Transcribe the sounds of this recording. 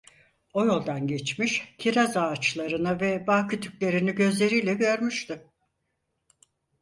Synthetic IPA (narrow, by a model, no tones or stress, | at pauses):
o̞jo̞lˠd̪anɟet͡ʃmiʃcʰiɾazaːt͡ʃlˠaɾɯnɯvɛbaːkʰyt̪ʰycʲlʲe̞ɾiniɟø̞zlʲe̞ɾijlʲɛɟø̞ɾmyʃt̪ɪ